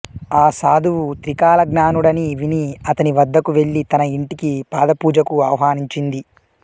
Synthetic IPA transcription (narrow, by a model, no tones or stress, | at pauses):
aːsaːd̪uwut̪ɾikaːlɐɡnaːnuɽɐniʋiniɐt̪ɐniʋɐd̪ʱːɐkuʋe̞ɭːit̪ɐnɐiɳʈikipaːd̪ɐpuːd͡ʒɐkuɐʋɐɦaːniɲt͡ʃind̪i